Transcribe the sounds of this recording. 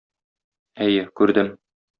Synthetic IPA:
æjɘkʉɾd̪ɘm

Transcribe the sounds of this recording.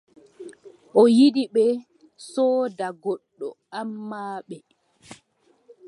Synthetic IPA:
ʔɔjidiɓɛ | sɔːdaɡɔɗːɔ̰ | amːaːɓɛ

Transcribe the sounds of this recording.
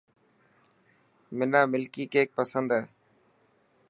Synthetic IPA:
mɪnaːmɪlkiːkeːk̚pəsənd̪ɦeː

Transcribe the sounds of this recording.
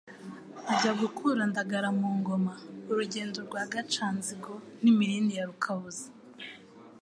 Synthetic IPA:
ɟaɡukʰuɾandaɡaɾamuːŋɡo̞mauɾuɟe̞ːnduɾɡwaɡat͡ʃaːnziɡo̞nimiɾiːndijaɾukʰaβuzḁ

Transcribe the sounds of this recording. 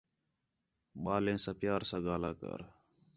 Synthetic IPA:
ɓaːlẽːsãːpɪjaːɾsãːɡaːlaːkə̰ɾ

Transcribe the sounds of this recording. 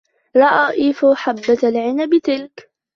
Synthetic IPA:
ɾˤɑʔaːʔiːfʊħabːalʕɪnabɪt̪ɪlk

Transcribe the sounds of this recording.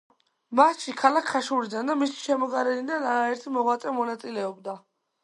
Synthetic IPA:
masʃikʰalakʰːaʃuɾid̪and̪amisi̥ʃɛmɔɡaɾɛnid̪anaɾaɛɾt̪ʰimɔʁwat̪sʼɛmɔnat̪sʼilɛɔbd̪a

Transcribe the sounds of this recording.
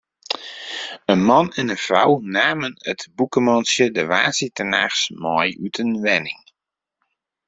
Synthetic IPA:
ənmɔnɛnəfra̰wnaːmənətbukəmɔnsjədəʋaːsitəna̰ːxsmɔjytʰənʋɛnɪŋ

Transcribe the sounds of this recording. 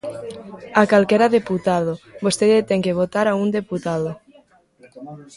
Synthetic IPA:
akalkeɾaðeput̪aðobost̪eðet̪eŋkeβ̞ot̪aɾaund̪eput̪aðo

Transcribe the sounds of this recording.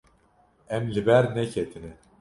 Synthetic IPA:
ɛmlʲibæɾnɛcʰet̪ʰinɪ

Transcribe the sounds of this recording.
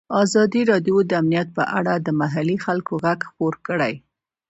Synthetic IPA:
ɑzɑd̪iɾɑd̪jod̪əamnijat̪̚pəʔa̰ɽad̪əmaɦalixalkoɣaɡxpoɾkəɽaj

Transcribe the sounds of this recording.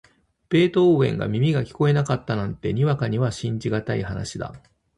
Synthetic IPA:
pe̞ːt̪o̞ːẽ̞̰ŋɡa̰mʲimʲiɡakʲi̥ko̞e̞nakat̪ːanãnt̪e̞ɲ̟iβakaɲ̟iβaɕĩɲ̟d͡ʑiɡat̪aihana̰ɕid̪a̰

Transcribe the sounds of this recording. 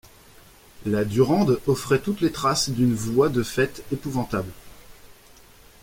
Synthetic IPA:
lad̪yʁɑ̃d̪ɔfχɛt̪ut̪let̪χasd̪ynvwad̪əfɛt̪epuvɑ̃t̪abl

